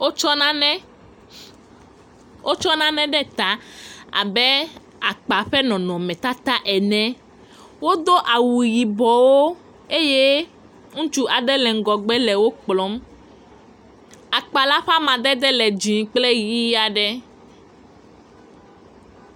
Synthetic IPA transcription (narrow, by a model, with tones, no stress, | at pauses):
o˦t͡ʃɔ˦nã˦nɛ˦ | ʔo˦t͡ʃɔ˦nã˦nɛ̃˦ɖɛ˦t̪a˦a̰˨bɛ˦ | a˨k͡pa˨ɸɛ˦nɔ̃˨nɔ̃˨mɛ̃˨t̪a˦t̪a˦ʔɛ˨nɛ̃˨ | wo˦d̪o˦ʔa˨wu˨ji˨bɔ˨wo˦ | e˦je˦ | ŋũ˦t͡ʃu˦ʔa˨ɖɛ˦lɛ˨ŋ˦ɡɔ˨ɡ͡bɛ˦lɛ˨wo˦k͡plɔ˨˦m | a˨k͡pa˨la˦ɸa˦mã˨d̪ɛ˦d̪ɛ˦lɛ˨d͡ʒĩ˨k͡ple˦ji˦a˨ɖɛ˦